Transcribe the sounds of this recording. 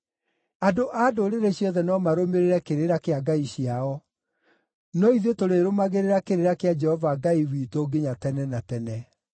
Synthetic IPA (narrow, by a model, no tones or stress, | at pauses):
adoʔadoɾeɾeɕjɔðɛnɔmaɾomeɾeɾɛkeɾeɾakeaɡaiɕjaɔ | nɔiðetoɾeɾomaɣeɾeɾakeɾeɾakead͡ʒɛhɔvaɡaiwiːtoɡeɲatɛnɛnatɛnɛ